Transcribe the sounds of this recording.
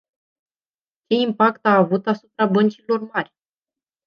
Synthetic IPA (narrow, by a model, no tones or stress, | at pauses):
t͡ʃe̞impakt̪aːvut̪asupɾabənt͡ʃilo̞rmarʲ